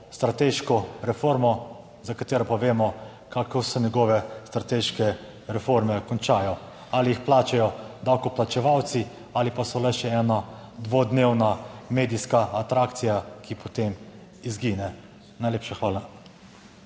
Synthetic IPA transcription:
st̪ɾat̪eːʃkɔɾɛfoːɾmɔ | zakat̪eːɾɔpaʋeːmɔ | kakosɛnɛɡɔːʋɛst̪ɾat̪eːʃkɛ | ɾɛfoɾmɛkɔnt͡ʃaːjɔ | aliixplaːt͡ʃɛjɔd̪awkɔplat͡ʃɛʋawt̪si | alipasɔlɛʃɛɛnad̪ʋod̪newnameːd̪iskaːt̪ɾaːkt̪sijakipɔt̪em | izɡiːnɛ | najlʲeːpʃaxʋaːla

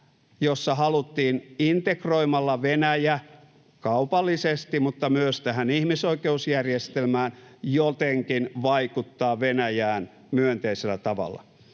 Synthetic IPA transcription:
josːɑhɑlut̪ːiːnint̪ekroimɑlːɑʋenæjæ | kɑupɑlːisest̪imut̪ːɑmyøst̪æhænihmisoikeusjærjest̪elmæːnjot̪eŋkinʋɑikut̪ːɑːʋenæjæːn | myønt̪eiselːæt̪ɑʋɑ̰lːˑɑ̰

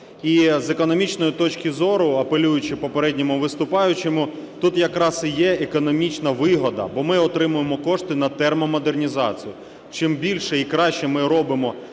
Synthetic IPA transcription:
izekɔnɔmʲit͡ʃnɔjit̪ɔt͡ʃkʲɪzɔɾʊɐpelʲujʊt͡ʃɪpɔpeɾɛdʲnʲɔmʊʋɪst̪ʊpɑjʊt͡ʃemʊ | t̪ut̪jɐkɾɑsɪjɛekɔnɔmʲit͡ʃnɐʋɪɦɔd̪ɐ̰bɔmɪɔt̪ɾɪmʊjemɔkɔʂt̪ɪnɐt̪ɛrmɔmɔd̪ernʲizɑ̰t͡sʲijʊ | t͡ʃɪmbʲilʲʃɛikɾɑʃt͡ʃɛmɪɾɔbɪmɔ

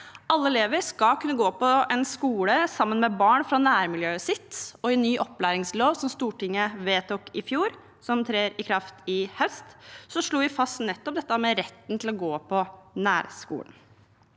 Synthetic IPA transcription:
ɑlːəɛleːʋəɾskɑkʰʉnːəɡoːpʰɔɛnskuːləsɑmːənmɛbɑːɳfɾɑnæːɾmɪljøːsɪt̪ɔɛnːyːʔɔpːlæːɾɪŋsloːʋsɔmst̪uːʈɪŋːəʋeːt̪ʰɔkːɪfjuːɾ | sɔmt̪ʰɾeːɾɪkʰɾɑft̪ɪhœst̪sɔʂɭuːʋɪfɑst̪nɛt̪ːɔp̚d̪ɛt̪ːəmɛɾɛt̪ːn̩t̪ʰɪlɔɡoːpʰɔnæ̰ːɾskṵːlən

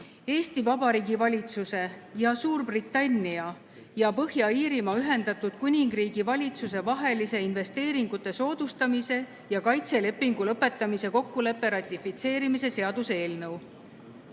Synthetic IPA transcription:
e̞ːst̪ivɑbɑɾiːɡivɑlʲit̪suse̞jɑsuːrbrit̪ːˑɑnʲːiɑ | jɑpɤhjɑiːɾimɑyɦe̞nd̪̥ɑt̪ːˑud̪̥kunʲiŋɡriːɡ̥ivɑlʲit̪suse̞vɑɦe̞lise̞inve̞st̪e̞ːɾiŋɡ̥ut̪ːˑe̞so̞ːd̪ust̪ɑmise̞ | jɑkɑjt̪se̞le̞pːiŋɡ̥ulɤpːˑe̞t̪ːˑɑmise̞ko̞kːule̞pːe̞ɾɑt̪ʲːˑifit̪se̞ːɾimise̞se̞ɑd̪̥useeːlnɤw

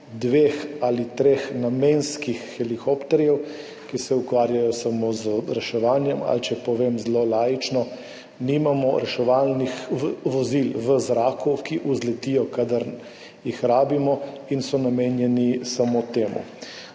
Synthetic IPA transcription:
d̪ʋeːxalit̪ɾeːxnameːnskixːɛlikɔpt̪ɛɾjɛw | kisɛukʋaːɾjajɔsamoːzəɾɛʃɛʋaːnjɛma̰lt͡ʃɛpɔʋemzlolaːjit͡ʃnɔ | nimamɔɾɛʃɛʋalnixʋəʋɔzilʋəzɾaːkukiʔuzlɛt̪ijɔkad̪əɾ | jixɾaːbimɔinsɔnameːnjɛnisamot̪eːmṵ

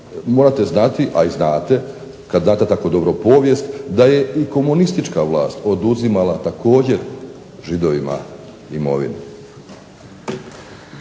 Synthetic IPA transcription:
mo̞ːɾat̪e̞znat̪iʔaiznaːt̪e̞ | kad̪zaːt̪et̪ako̞d̪o̞bɾo̞po̞ːʋje̞st̪d̪aje̞iko̞munist̪it͡ʃkaʋlˠaːst̪o̞d̪uzimalˠat̪akʰo̞ːd͡ʑe̞ɾ | ʒid̪o̞ʋima̰ | imo̞̰ʋḭni

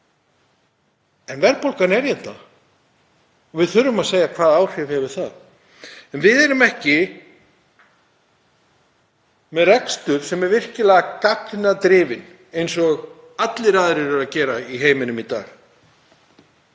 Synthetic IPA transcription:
ɛnvɛɾpowlkanɛɾjɛt̪na̰ | ɔvɪðθʏɾːʏmaðseːjakʰvaːðaːwr̥ɪvhɛvʏɾ̥θað | ɛnvɪðɛɾʏmɛhcɪ | mɛðrɛkst̪ʏɾ̥sɛmɛɾvɪr̥cɪlɛːɣakapnat̪ɾɪːvɪn | ejnsɔɣ | at̪lɪɾaːðɾɛɾʏɾacɛːɾaiɦeːjmɪnʏmit̪a̰ːɣ

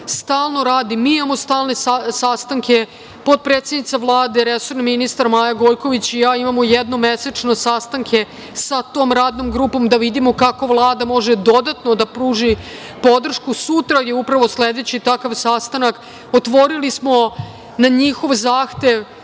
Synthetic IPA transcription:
st̪aːlˠno̞ɾaːd̪imiimamost̪aːlne̞sasast̪aŋke̞ | po̞d̪̚pɾet̪sjed̪nit̪saʋlˠaːd̪eɾeso̞ɾnaminist̪aɾmaːjaɡo̞jko̞ʋit͡ɕijaːimamojed̪no̞meset͡ʂno̞sast̪aŋkʰe̞ | sat̪oːmɾaːd̪no̞mɡɾuːpo̞md̪aʋid̪imo̞kako̞ʋlˠaːd̪amo̞ʒe̞d̪o̞d̪at̪nod̪apɾuːʒi | po̞d̪r̩ʃkusut̪ɾajeupɾaʋo̞sle̞d̪e̞t͡ɕit̪akaʋsast̪anak | ot̪ʋo̞ɾilismo̞ | naɲixo̞ʋzaːxt̪e̞ʋ

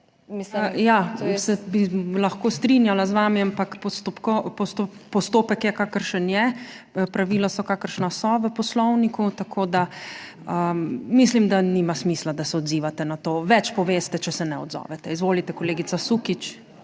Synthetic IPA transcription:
jasɛbilɐxkoːst̪ɾinjalazʋaːmiampakpɔst̪opkɔpɔst̪opɔst̪oːpəkjɛkaːkəɾʃənjɛ | pɾaʋiːlasɔkaːkəɾʃnasɔʋəpɔslɔwnikut̪akʰoːd̪a | əmislimd̪animasmiːslad̪asɛɔd̪ziːʋat̪ɛnat̪oːʋɛt͡ʃpɔʋeːst̪ɛt͡ʃɛsɛnɛɔ̰d̪zɔ̰ːʋɛt̪ɛizʋoːlit̪ɛkɔleːɡit̪sasukit͡ʃ

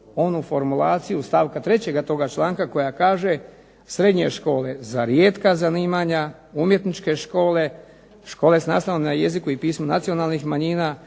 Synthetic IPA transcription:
o̞nufo̞ɾmulaːt̪sijust̪aːʋkat̪ɾe̞t͡ɕe̞ɡat̪o̞ɡat͡ʃlˠaːŋkako̞jakaːʒe̞ | sɾe̞d̪ɲe̞ʃko̞ːle̞zaɾjeːt̪kazaniːmaɲa | umje̞t̪nit͡ʃke̞ʃko̞ːle̞ | ʃkoːle̞sna̰ːslaʋomnaje̞zikuipiːsmuna̰t̪sijo̞naːlˠnixmaɲiːnaː

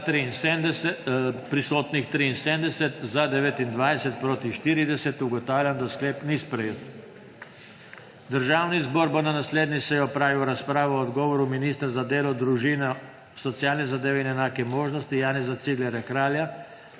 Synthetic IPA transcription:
t̪ɾiinsɛnd̪ɛ | pɾisoːt̪nixt̪ɾiːnsemd̪ɛsɛt̪zad̪ɛʋet̪ind̪ʋajsɛt̪̚pɾoːt̪iʃt̪iɾid̪ɛsɛt̪uɡɔt̪aːwlʲjand̪askleːpnispɾɛjeːt̪ | d̪əɾʒaːwnizbɔːɾbonanasleːd̪nisɛjɔpɾaːʋiwɾaspɾaːʋɔɔd̪ɡɔːʋɔɾuminist̪ɾzad̪eːlɔd̪ɾuʒinɛ | sɔt̪sjaːlnɛzad̪eːʋɛinɛnaːkɛmoːʒnɔst̪ijaːnɛzat̪siɡlɛɾjakɾaːlja

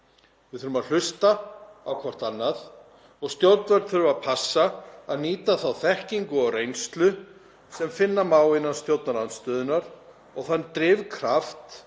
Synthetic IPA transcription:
vɪðθʏɾʏmaðl̥ʏst̪aawkʰvɔr̥t̪anːaθ | ɔɣst̪jowt̪nvɛɾt̪θʏɾʏmaðpʰasːaaðniːt̪aθawθɛhciŋkʏɔɣrejnst̪lʏ | sɛmfɪnːamaːwɪnːanst̪jowt̪naɾlant̪st̪œːðʏnaɾ | ɔɣθanːt̪ɾɪːvkʰɾaft̪

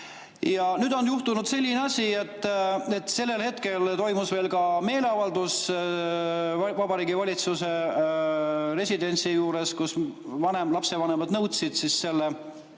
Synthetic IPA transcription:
jɑnyd̪o̞njuht̪unud̪̥se̞lʲːineɑsʲie̞t̪ˑːe̞t̪ːˑse̞lːe̞lhe̞t̪ke̞lt̪o̞jmusve̞ːlkɑme̞ːle̞ɑvɑld̪us | vɑbɑɾiːɡivɑlʲit̪suse̞ | re̞sʲid̪e̞nt̪sijuːɾe̞skusvɑne̞mlɑpse̞vɑne̞mɑd̪nɤwt̪sid̪̥sisse̞lːe

